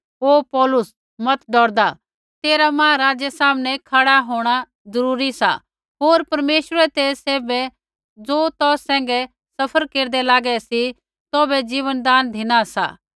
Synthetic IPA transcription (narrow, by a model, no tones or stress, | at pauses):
oːpɔːlʊs | mɐt̪ɖɔːɾd̪a | t̪eːɾamãːɾaːd͡ʒɛsaːmnɛkʰaːɽaɦoːɽ̃a | d͡zɐɾuːɾisa̰ | ɦoːɾpɐɾmeːʃɾɛt̪eːseːbɛ | d͡zoːt̪ɔːsːɛ̃ːŋ̆ɡɛ | sɐpʰəɾkeːɾd̪ɛlaːɡɛsi | t̪oːbɛd͡ʒiːʋənd̪aːnd̪ʱɪnasa̰